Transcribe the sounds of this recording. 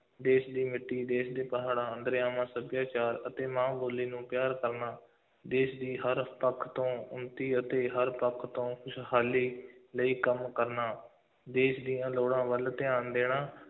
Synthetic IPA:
d̪eːʃd̪iːmɪʈːiːd̪eːʃd̪eːpəɦaːɽãːənd̪əɾjãːmãːsəbjaːt͡ʃaːɾət̪eːmãːboːliːnũːpɪjaːɾkəɾnaː | d̪eːʃd̪iːɦəɾpəkʰːt̪õːʊnt̪iːət̪eːɦəɾpəkʰːt̪õːkʰʊʃʰhaːliːləiːkəmkəɾnaː | d̪eːʃd̪iːjãːloːɽãːʋəlt̪ɪaːnd̪eːɳaː

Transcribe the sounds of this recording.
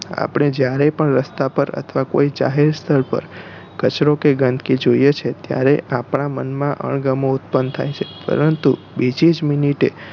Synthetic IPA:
a̰pɳ̃ed͡ʒjaɾepəɳɾəst̪apəɾə̰t̪ʰʋako̰id͡ʒa̰ɦeɾst̪ʰəɭpə̰ɾ | kət͡ʃɾokeɡənd̪ʱkid͡ʒoijet͡ʃʰet̪ja̰ɾeʔapɳamənmãʔə̰ɳɡəmoʊt̪̚pənd̪t̪ʰa̰jt͡ʃʰepə̰ɾənt̪u | bid͡ʒid͡ʒminiʈe

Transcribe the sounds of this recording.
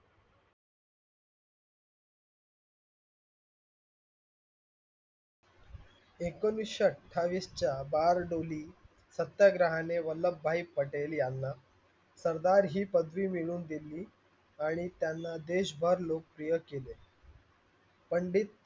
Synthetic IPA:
ekəniɕəʈʰaʋist͡ɕjabaɾɖoliː | sət̪jaɡɾaɦaneʋəlːəbːʱaipːəʈeljanːa | səɾd̪aɾɦiːpəd̪ʋiːmiɭuːnd̪ilːiː | aɽ̃it̪janːad̪eɕbʱəɾlok̚pɾijəkele | pəɳɖiːt̪̚

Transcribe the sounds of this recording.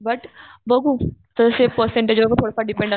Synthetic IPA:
bəʈbəɡʱuːt̪əəsepəɾsẽɳʈed͡ʑʋəkət̪ʰoɽasaɖipẽɳɖa

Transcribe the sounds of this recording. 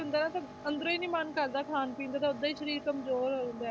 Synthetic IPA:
ʊnd̪aːnãːt̪a | ənd̪ɾõiːnĩːmənkəɾd̪aːkʰaːnpĩːnd̪aːt̪aːʊd̪aːiːʃəɾiːɾkəmzoːɾɦond̪ɛː

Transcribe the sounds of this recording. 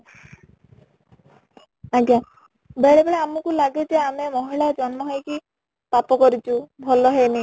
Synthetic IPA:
aɡja | beɭebeɭeamɔkulaɡed͡ʒeamemɔɦiɭad͡ʒɔnmɔɦɔjki | papɔkɔɾit͡ʃʰubʱɔlɔɦeni

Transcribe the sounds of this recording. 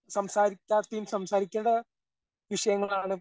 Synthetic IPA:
sɐmsaːɾikʲːaːt̪ːejumsɐmsaːɾikʲːɐnɽɐ | ʋiʂɐjɐŋːɐɭaːɳɨ

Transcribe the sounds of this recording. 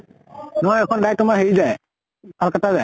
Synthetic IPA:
nɔɔɛkʰɔndaj̚tʊmaɦeɹizaj | kalkatazaj

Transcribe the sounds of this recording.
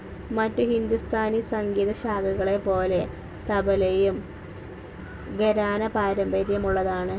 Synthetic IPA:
mɐtːuhind̪ust̪ʰaːnisɐŋɡiːðɐɕaːɡɐɣɐɭe̞po̞ːle̞ | t̪ɐbɐlejum | ɡɐɾaːnɐpaːɾɐmbɐɾjɐmuɭːɐðaːɳɨ

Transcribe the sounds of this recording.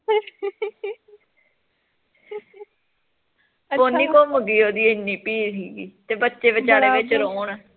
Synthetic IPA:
poːnːiːkoːməɡiːoːd̪iːɪnːiːpiːlɦiːɡḭːt̪eːbətːʃeːbət͡ʃaːɾeːʋɪt͡ʃɾoːɳɛː

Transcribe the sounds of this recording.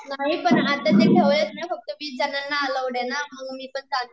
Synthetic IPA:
naɦipəɳat̪ət̪ekʰeʋlet͡smjafək̚t̪əʋiːd͡zənanːaːləʋɽenaməɡmiːpəɳd͡zaɡ

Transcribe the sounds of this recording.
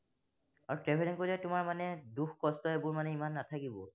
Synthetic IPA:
aɹutɛpʰɛɾɛnkozɛtʊmaɹmanɛduxkɔstɔebʊɹmanɛimanːatʰakibɔ

